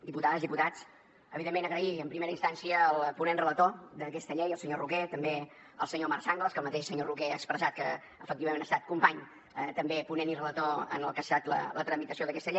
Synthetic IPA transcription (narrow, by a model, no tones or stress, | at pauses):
d̪iput̪aðəzðiput̪at͡s | əβiðemːenəɣɾəiəmpɾimeɾəinst̪ansiəːlˠpunenrələt̪od̪əkɛst̪əʎejəlˠsəɲoruket̪əmbe | əlˠsəɲomaɾsaŋɡlˠəskəlˠmət̪eʃsəɲorukɛəkspɾəzat̪̚kə | əfək̚t̪iβəmẽnəst̪at̪̚kumpaɲ | ət̪əmbepunenirələt̪oə̰nəlˠkast̪at̪lə̰lət̪ɾəmit̪əsioðəkɛst̪əʎej